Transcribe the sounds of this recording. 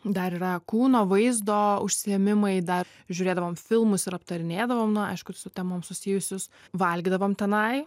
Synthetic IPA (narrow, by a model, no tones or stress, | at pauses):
d̪ɐɾiːɾɐkuːnoːʋɐɪzd̪oːʊʃʲsʲɪɛmʲɪmɐɪd̪ɐ | ʒʲʊːɾʲeːd̪ɐʋoːmfʲɪlˠmʊsɪɾɐpt̪ɐɾʲɪnʲeːd̪ɐʋoːmnʊɐ̰ɪʃkʊsʊt̪ʲɛmoːmsʊsʲiːjʊsʲʊsʋɐlʲɡʲd̪ɐʋoːmt̪ʲɛnɐɪ